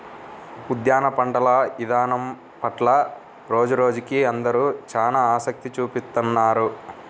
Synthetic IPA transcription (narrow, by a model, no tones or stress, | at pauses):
ud̪jaːnɐpɐɳɖɐlɐid̪aːnɐm | pɐʈlɐ | ɾo̞ːd͡ʒuɾo̞ːd͡ʒukiɐnd̪ɐɾuːt͡ʃaːnaaːsɐk̚t̪it͡ʃuːpist̪unːaːɾu